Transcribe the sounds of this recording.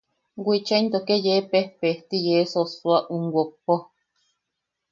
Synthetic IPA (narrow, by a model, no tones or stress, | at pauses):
ɡʷit͡ʃaint̪okejepehpeht̪ijesosuaʔuŋɡʷok̚po